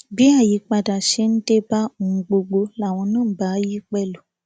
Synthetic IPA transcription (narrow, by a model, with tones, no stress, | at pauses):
bi˦a˦˨ji˨˧k͡pa˧da˨ʃe˧˦n̩˦de˦ba˦o˨ŋ̩˨˦ɡ͡bo˧ɡ͡bo˧la˨˦˨w̃ɔ̃˧nãː˦˨˦ba˨˦ji˦k͡pɛ˦lo˨